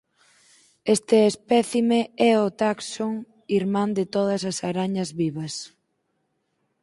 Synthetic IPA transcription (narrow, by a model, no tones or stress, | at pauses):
est̪ɪespɛθimeɛʊt̪aksoŋ | iɾmãnd̪ɪt̪oð̞ɐsɐsaɾaɲɐzβiβɐs